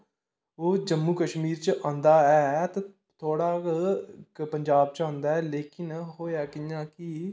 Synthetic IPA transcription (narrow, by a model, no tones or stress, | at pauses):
oːd͡ʒəmːuːkəʃmiːɾt͡ʃʔãːnd̪aːɛːt̪ãː | t̪ʰoːɽaː | pəɲd͡ʒaːb̚t͡ʃãːnd̪aːɛːleːkɪnɦoːjaːkɪjãːkɪ